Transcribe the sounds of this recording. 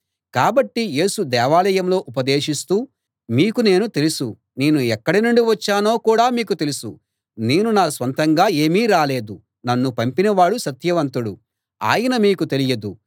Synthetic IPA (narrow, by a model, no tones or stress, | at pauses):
kaːbɐʈːije̞ːsud̪ɛːʋaːlɐjɐmlo̞ːʔupɐd̪e̞ːʂist̪uː | miːkune̞ːnut̪e̞lusu | ne̞ːnuɛkːɐɽinuɳɖiʋɐt͡ʃːaːno̞ːkuːɽaːmiːkut̪e̞lusu | ne̞ːnunaːsʋɐnt̪ɐŋɡaːe̞ːmiːɾaːle̞ːd̪u | nɐnːupɐmpinɐʋaːɽusɐt̪jɐʋɐnt̪uɽu | a̰ːjɐnɐmiːkut̪e̞lijɐd̪u